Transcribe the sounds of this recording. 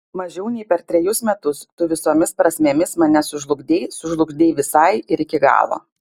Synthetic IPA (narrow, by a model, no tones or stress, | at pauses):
mɐʒʲɛʊnʲɛɪpʲɛɾt̪ʲɾʲɛjʊsmʲɛt̪ʊst̪ʊʋʲɪsoːmʲɪspɾɐsʲmʲeːmʲɪsmɐnʲɛsʊʒlˠʊɡd̪ʲeːɪsʊʒlˠʊɡd̪ʲeːʋʲɪsɐɪɪɾɪkʲɪɡɑ̰ːlˠo̰ː